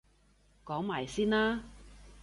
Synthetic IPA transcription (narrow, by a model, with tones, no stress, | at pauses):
kɔː˨˥ŋmaː˨˩jsiː˥naː˥